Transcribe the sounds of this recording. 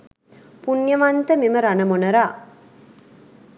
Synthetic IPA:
punjəʋant̪əmiməɾanəmonəɾaː

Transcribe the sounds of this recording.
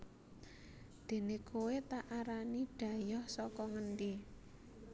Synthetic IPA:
d̪̥e̤nekuwet̪aʔaɾaniɖ̥ä̤jɔhsɔkɔŋənɖe

